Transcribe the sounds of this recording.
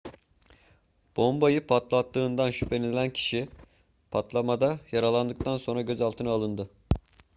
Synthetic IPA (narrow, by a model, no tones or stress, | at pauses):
b̥o̞mbajɯpʰat̪lˠat̪ːɯːnd̪anʃypʰe̞nʲiilʲæncʰi̥ʃi | pʰat̪lˠamad̪ajaɾalˠand̪ɯk̚t̪ʰanso̞nɾaɟø̞zalˠt̪ʰɯnaːlˠɯnd̪ɯ